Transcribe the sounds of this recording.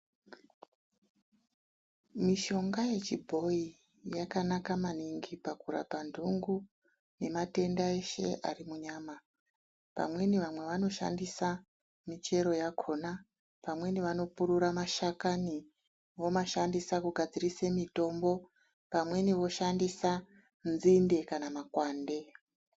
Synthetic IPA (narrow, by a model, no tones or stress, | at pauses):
miʃo̞ŋɡaje̞t͡ʃibʱo̞i | jakanakamaniŋɡipakuɾa̰pandʱuŋɡu | ne̞mate̞ndaeʃe̞̰ʔarimuɲaːma | pa̰mwe̞niʋamwe̞ʋano̞ʃa̰ndisa | mit͡ʃe̞ɾo̞jakʰo̞na | pamwe̞niʋano̞puɾuɾamaʃakani | ʋo̞maʃandisakuɡʱad͡zirisemito̞mbo̞ | pamwe̞niʋo̞ʃandisa | nzinde̞kanamakwaːnde̞